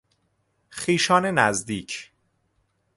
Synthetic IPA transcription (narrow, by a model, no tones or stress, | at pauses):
xiːʃɒːnenæzd̪iːcʰ